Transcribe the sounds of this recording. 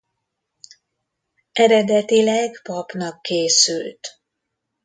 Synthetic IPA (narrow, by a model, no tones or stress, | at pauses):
ʔɛɾɛd̪ɛt̪ilɛɡpɒpnɒkːeːsylt̪